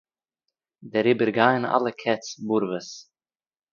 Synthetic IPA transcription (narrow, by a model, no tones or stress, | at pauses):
dɛɾɪbəɾɡaɪəna̰lˠəkʰɛt͡sbuɾvəs